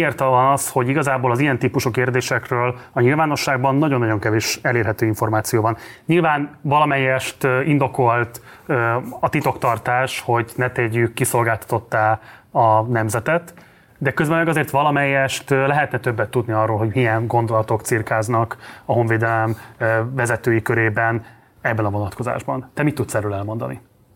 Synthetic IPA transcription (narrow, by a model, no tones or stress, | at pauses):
eːrt̪vɒnɒsho̞ɟiɡɒzaːboːlɒzijɛnt̪iːpuʃukeːrd̪eːʃɛkrøːlɒɲilvaːno̞ʃːaːɡ̚bɒnːɒɟo̞nːɒɟo̞ŋkɛveːʃɛleːrɦɛt̪øːiɱfo̞rmaːt̪sijoːvɒnɲilvaːnvɒlɒmɛjːɛʃt̪ind̪o̞ko̞lt̪ | øɒt̪it̪o̞kt̪ɒrt̪aːʃho̞ɟnɛt̪ɛɟːykːiso̞lɡaːlt̪ɒ̥t̪o̞t̪ːaːɒnɛmzɛt̪ɛt̪ | d̪ɛkøzbɛmɛɡɒzeːrt̪ʋɒlɒmɛjːɛʃt̪lɛɦɛt̪nɛt̪ø̞bːɛt̪ːud̪niɒrːoːlɦo̞ɟmijɛŋɡo̞nd̪o̞lɒt̪o̞kt̪sirkaːznɒkɒɦo̞ɱveːd̪ɛlɛmvɛzɛt̪øːjikø̞ɾeːbɛn | ɛbːɛnɒvo̞nɒt̪kʰo̞za̰ːʒbɒnt̪ɛmit̪ːut̪sɛrøːlɛlmo̞nd̪ɒ̰ni